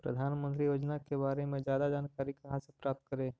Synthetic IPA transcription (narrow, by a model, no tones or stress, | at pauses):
pɾə̰d̪ʱaːnmə̃nt̪ɾijoːd͡ʒnakebaːɾemẽzjaːd̪ad͡ʒaːnkaːɾikɐɦãsepɾaːp̚t̪̚kəɾẽː